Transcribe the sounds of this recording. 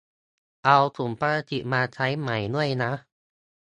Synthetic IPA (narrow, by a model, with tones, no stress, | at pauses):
ʔa˧wt̪ʰu˩˦mpaː˧ɾa˧t̪ʰi˨˩maː˧t͡ɕʰa˦˥jma˨˩˦jnu˥˩əjna˦˥